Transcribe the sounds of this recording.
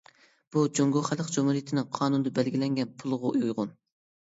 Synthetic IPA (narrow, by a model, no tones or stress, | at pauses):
b̥ud͡ʒoŋɡoχæləqd͡ʒumhuɾijit̪ʰɪnɪŋqʰɑːnund̪ɑbælɡʲilɛŋɡʲɛnpʰulˠʁʊjujʁʊn